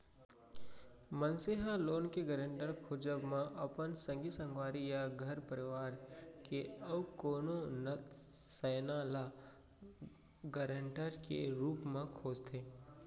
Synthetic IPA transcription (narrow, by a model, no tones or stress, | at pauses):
mənseɦaloːnkeɡəɾə̃ɳʈəɾkʰoːd͡ʒəbmẽʔɐpənsə̃ŋɡisə̃ŋɡwaːɾijaɡʱəɾpəɾɪʋaːɾkeəʋkoːnonəsɛːnaːla | ɡəɾə̃ɳʈəɾkḛɾuːpmẽkʰoːd͡ʒt̪ʰeː